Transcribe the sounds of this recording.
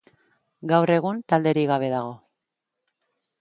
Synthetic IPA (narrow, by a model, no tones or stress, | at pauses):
ɡawre̞ɣ̞unt̪ald̪e̞ɾiɣaβ̞e̞ðaɣ̞o̞